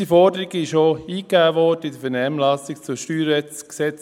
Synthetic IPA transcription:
ifɔɾdəɾiɡɪʃoiːkæːʋɔdəɪdəfɛnɛːmlɑsɪkt͡sʊʃtyːɾɛt͡sksɛt͡s

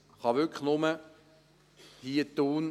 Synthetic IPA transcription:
χɑʋʏkʰχnʊmə | hiːət̪ːuːn

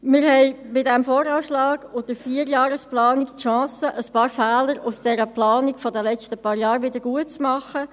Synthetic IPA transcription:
mɪɾhɛɪbɪt̚dɛmfoːɾɑːʃlɑːɡ̥ʊd̥əfiəɾjɑːɾəsplɑːniktʃɑ̃ːsəʔəspɑːɾfɛːləɾʊsd̥ɛɾəplɑːnikfɔdəlɛt͡stəpɑːɾjɑːɾʋɪdəɾɡ̥uətt͡smɑχə

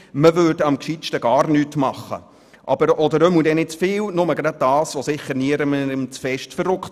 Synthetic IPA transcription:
məʋøɾdɑmkʃiʃtəɡɑːɾrnyːtmɑχə̰ | ʔɑb̥əɾɔd̪əɾømud̪ɛnɪtt͡sfɪːwnʊməɡɾɑd̪̚dɑːsʋɔsɪχəɾniəɾəməɪmt͡sfɛʃtfəɾrʊkt

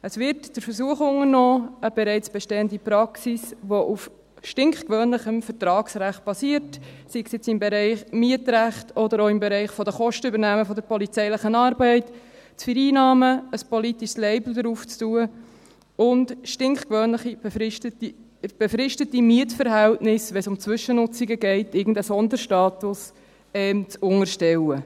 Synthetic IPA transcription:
əsvɪɾtd̥əɾfəɾsuəχʊŋəɾnɔːəb̥ɛɾɛɪt͡sb̥ɛʃtɛːəndipɾɑksisʋoʔuf | ʃtɪŋχkvœːnləχəmfəɾtɾɑːksɾæχt̚b̥ɑsiːəɾt | siksjɛt͡sɪmbeɾɛɪχmiətɾæχtɔdəɾoːɪmbɛɾɛɪχfɔd̪əχɔʃtəybəɾnæːməfɔd̪əɾpɔlit͡sɛɪləχənɑːɾbɛɪt | t͡sfəɾiːnɑːməəspɔlitiʃslɛɪbl̩d̪əɾuːft͡stuə | ʊntʃtɪŋkχkʋøːnləχi̥ɪtət | b̥efɾɪʃtətimiətfəɾɦæltnɪsʋɛsʊmt͡sʋʏʃənʊt͡siɡəɡɛɪtɪɡn̩dəsɔnd̪əɾʃtɑːtʊs | ɛmt͡sʊŋəɾʃtɛwə

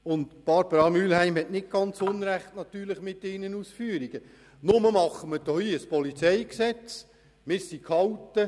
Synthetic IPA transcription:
ʊntb̥ɑɾbəɾɑmyːlhæɪmhɛtnɪt̚ɡ̥ɑnt͡sʊnɾæχtnɑt̪yːɾləχmɪtɪːnənuːsfyːəɾiɡ̥ə | nʊməmɑχːəməd̥ɔhiəspɔlit͡sɛjksɛt͡s | mɪːɾsikʰhɑwtːə

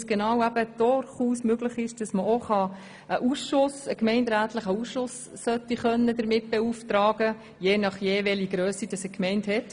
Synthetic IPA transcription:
sɡ̥enɑːwæb̥əd̥ʊɾχuːsmøɡləχɪʃd̥ɑsməʔoχɑ | ʔəʔusʃʊsəkmɛɪndɾæːtləχəuːsʃʊs | sœtːiχœnːədəɾmɪt̚b̥ɛuftɾɑːɡ̥ə | jeːnɑχjeːʋɛliɡɾøːsid̥ɑsəkmɛɪnthɛt

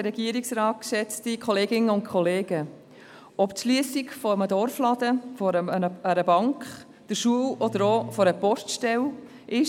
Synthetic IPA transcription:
əɾɛɡiəɾiksɾɑːt̚ksɛt͡stikʰɔleːɡɪnəʊntkʰχɔleːɡ̥ə | ʔɔptʃliəsikfɔəmədɔɾflɑd̪əfɔəəɾəbɑŋkχ | d̥əɾʃuəwɔd̪əɾofɔɾəpɔstʃtɛl | ʔɪʃ

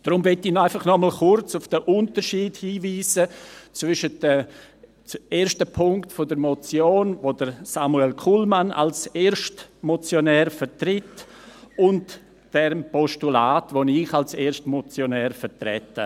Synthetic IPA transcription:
d̥ɾʊmvɪtɪnaɪfɑχnɔml̩χʊrt͡sʊfd̥əʔʊntəɾʃiːdhiːviːsət͡svʏʃətdə | t͡seːɾʃtəpʰʊŋktfodəɾmot͡sjoːnvodəɾsamuɛlkʰulmana̰lseːɾʃtmɔt͡sjonɛːɾfəɾtrɪt | ʊnt | d̥ɛmpɔʃtulaːtvoniχalseːʃtmɔt͡sjonɛːɾfəɾtɾɛ̰tə

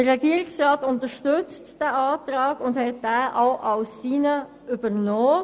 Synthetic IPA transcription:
əʁɛɡiəɾɪksʁɑːtʊntəʃtʏt͡std̥æːɑːtʁɑːɡʊndhɛt̚dæːʔaʊʔaʊsːiːnə | ybənɔː

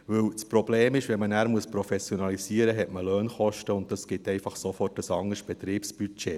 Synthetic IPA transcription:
vɵwspɾobleːmɪʃʋɛnmənæːɾmuəspɾofɛsjonɑlisiəɾəɦɛtməløːnχɔʃtəʊnt̚dɑsɡ̥ɪtɛɪfɑχsofɔrt̚əsɑŋəsb̥ɛt̪ɾiːpsb̥yt͡ʃɛ

